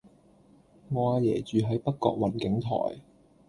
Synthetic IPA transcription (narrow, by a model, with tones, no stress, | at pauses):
ŋɔː˨˧aː˧jɛː˨˩t͡ʃyː˨ɦɐ˨˥jpɐ˥k̚kːɔ̰ː˧k̚wɐ˨˩nkɪ˨˥ŋt̪ʰɔ̰ː˨˩j